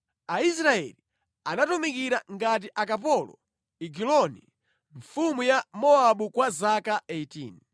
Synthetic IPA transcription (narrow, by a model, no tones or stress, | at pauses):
ais̬ɾaɛ̰li | anatumikiɾaŋɡat̬iʔakap̬ɔlɔ̰ | iɡilɔnḭ | ɱfumujamɔaɓukwazakaeitḭːn